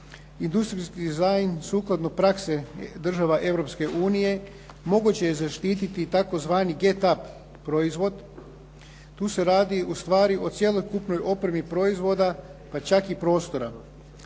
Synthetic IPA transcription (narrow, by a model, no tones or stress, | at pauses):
ind̪ust̪ɾiskid̪izajnsuːklˠad̪no̞pɾakse̞d̪r̩ʒaʋaʔe̞ʋɾo̞pske̞ʔuːnije̞ | mo̞ɡut͡ɕe̞jezaʃt̪iːt̪it̪it̪ako̞zʋaːniɡe̞t̪ap | pɾo̞izʋo̞d̪ | t̪uːse̞ɾaːd̪iust̪ʋaːɾiʔo̞t̪sje̞lˠo̞jkupno̞jo̞pɾe̞mipɾo̞izʋo̞d̪apat͡ʃakipɾo̞ːst̪o̞ɾa